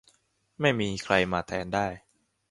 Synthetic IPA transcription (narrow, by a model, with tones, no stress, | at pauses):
ma˥˩jmiː˧kʰɾa˧jmaː˧t̪ʰɛː˩˦ndaː˥˩j